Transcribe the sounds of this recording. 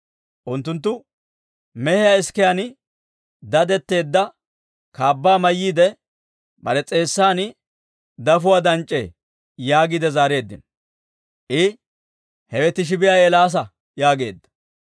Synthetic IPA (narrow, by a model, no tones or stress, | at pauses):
ʔʊnt̪ːʊnt̪̬ːʊ | mɛhɛjaɪskɛjanɪ | d̪ɐd̪ɛt̪ːe̞ːd̪ːɐ | kaːbːaːmɐjːiːd̪ɛ | bɐ̰ɾɛt͡sʼe̞ːsːaːnɪ | d̪ɐfʊwaːd̪ɐnt͡ʃʼːe̞̰ː | jaːɡid̪ɛzaːɾe̞ːd̪ːɪ̰n | ʔɪ | hɛwɛt̪ːɪʃ̬ɪbɪjaːelaːs̬ɐ | jaːɡe̞̰ːd̪ːɐ̥